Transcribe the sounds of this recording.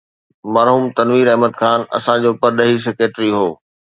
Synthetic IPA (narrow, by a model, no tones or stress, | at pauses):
mɐɾɦuːmt̪ɐnʋiːɾɐɦməd̪xʰaːnɐ̰sãd͡ʑoːpəɾɗɐɦis̬ekɾeːʈɾiɦoː